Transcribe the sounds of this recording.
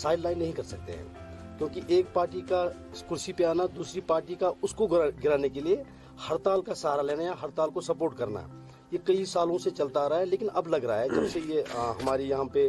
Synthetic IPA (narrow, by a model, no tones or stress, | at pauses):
saːɪɖlaːɪnːɐɦĩkɐɾsɐk̚t̪ḛɦɛ̰̃ːkjõːkiʔeːk̚paːɾʈika | skʊɾsipeaːnad̪uːsɾipaːɾʈikaʔʊskoɡɡɪɾaːnekelie | hɐɾt̪aːlkasɐɦaːɾaleːnajaɦɐɾt̪aːlkosɐpoːɾʈkɐɾna̰ | jekɐisaːlõset͡ʃɐlt̪aɾaɛleːkɪnɐblɐɡɾaaɦɛd͡ʒɐbsejeɦɐmaːɾijɐɦãpe